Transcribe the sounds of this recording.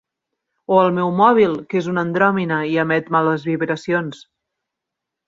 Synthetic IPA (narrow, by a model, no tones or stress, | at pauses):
oəlˠmɛwmɔβ̞ilˠkezunənd̪ɾɔminəiəmɛt̪maləzβiβɾəsions